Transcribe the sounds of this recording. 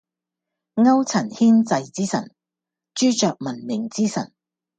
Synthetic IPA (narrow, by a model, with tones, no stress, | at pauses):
ŋɐ˥wt͡sʰɐ˨˩nhiː˥nt͡sɐ˧jt͡siː˥sɐ˨˩n | t͡ʃyː˥t͡ʃœː˨k̚mɐ˨˩nmɪ˨˩ŋt͡siː˥sɐ̰˨˩n